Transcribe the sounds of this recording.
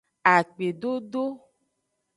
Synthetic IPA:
a˨k͡pe˨ɖo˦ɖo˦

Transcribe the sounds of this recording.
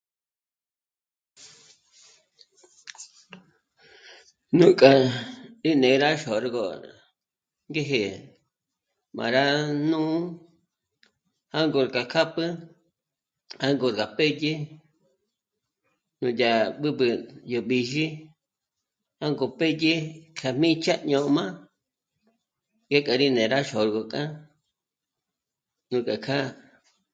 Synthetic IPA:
nũ˨kʼa˨i˦nẽ˨˦˧ɾa˦ʃo˨ɾɡo̰˨ | ŋɡe˦ɦe˨ | mã̰˨ɾa˦nũ˦ | ha˦ŋɡo˧˨ɾka˨kʰa˦pɨ˦ | ha˦ŋɡo˧˨ɾɡa˨pe˦je˦ | nũ˧ja˨ɓɨ˦bɨ˧jo˨ɓi˧ʒi˦ | ha˦ŋɡo˧pe˦je˦kʰa˧mĩ˦t͡ʃa˦ɲõ˧˨˧mã˦ | ŋɡe˦kʼa˨ɾi˦nẽ˨ɾa˦ʃo˨ɾɡo˨kʼã˦ | nũ˨˧kʼa˨kʰa˦

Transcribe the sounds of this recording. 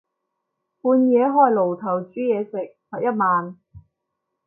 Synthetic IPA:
puː˧njɛː˨˧ɦɔː˧jlo˨˩wt̪ʰɐ˨˩wt͡ʃyː˨˥jɛː˨˧sɪ˨k̚hɔː˨˩jɐ˥t̚maː˨n

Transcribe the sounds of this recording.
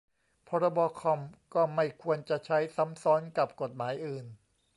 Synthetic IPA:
pʰɔː˧ɾɔ˧bɔː˧kʰɔ˧mkɔː˥˩ma˥˩jkʰu˧ənt͡ɕa˨˩t͡ɕʰa˦˥jsa˩˦msɔː˦˥nka˨˩p̚ko˨˩t̪̚maː˩˦jʔɯː˨˩n

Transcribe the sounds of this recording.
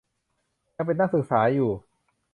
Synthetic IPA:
ja˧pe˧nːaː˥˩k̚sɯ˨˩k̚saː˩˦˥juː˨˩

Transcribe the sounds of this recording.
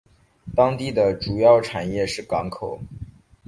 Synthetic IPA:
t̪ɑ˥ŋt̪i˥˩d̪ə˩ʈ͡ʂu˨˩jɑ˥˩ʊʈ͡ʂʰa˨˩njɛ˥˧ʂɻ̩˥˩kɑ˧˥ŋkʰo˨˩˦ʊ

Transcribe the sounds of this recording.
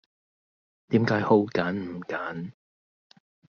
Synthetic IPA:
t̪iː˨˥mkaː˨˥jho˧wkaː˨˥nm̩˨˩kaː˨˥n

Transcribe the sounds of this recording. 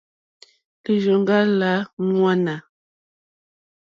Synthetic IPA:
li˨ʒo˨ŋ˦ɡa˦la˨˦ŋwa˦na˨

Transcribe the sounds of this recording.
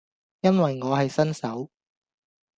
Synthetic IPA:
jɐ˥nwɐ˨jŋɔː˨˧ɦɐ˨jsɐ˥nsɐ˨˥w

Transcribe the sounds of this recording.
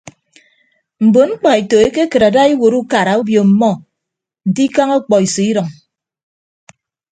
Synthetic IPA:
m̩˨bo˨ŋ͡m̩˦k͡pɔ˨e˨to˨e˦ke˦kɨ˨ɾa˨da˦i˦wo˨ɾu˦ka˨ɾa˨u˦bjo˨m̩˨mɔ˦ | n̩˨di˦ka˦ŋɔ˦k͡pɔ˨i˨si˨i˦ɾɔ˨ŋ

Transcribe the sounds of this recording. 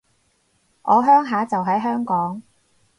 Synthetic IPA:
ʔɔː˨˧ɦœː˥ŋɦaː˨˥t͡sɐ˨wɦɐ˨˥jɦœː˥ŋkɔː˨˥ŋ

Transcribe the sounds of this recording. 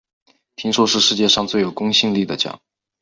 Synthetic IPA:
pʰi˧˥ŋʂwɔ˥ʂɻ̩˥˧ʂɻ̩˥˧t͡ɕjɛ˥˧ʂɑ˥˧ŋt͡swe˥˩jo˨˩ʊkʊ˥ŋɕi˥˧ŋli˥˩d̪ə˩t͡ɕjɑ̰˨˩˦

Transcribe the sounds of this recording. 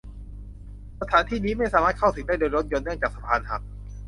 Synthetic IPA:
sa˧t̪ʰaː˨˦nt̪ʰiː˥˩niː˦˥ma˥˩jsaː˨˦maː˥˩t̪̚kʰa˥˩wsɯ˨˩˦ŋda˥˩doː˧jɾo˦˥t̪̚jo˧nːɯ˥˩əŋt͡ɕaː˨˩k̚sa˧pʰaː˧nha̰˨˩p̚

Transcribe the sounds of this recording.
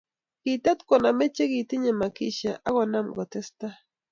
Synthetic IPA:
ki˨t̪a˦t̪ko˨na˨me˦t͡ʃe˦ɣi˨t̪i˦ɲe˨ma˨ki˦ʃa˨ʔa˦ɣo˨na˦mɡo˨t̪e˦st̪a˦

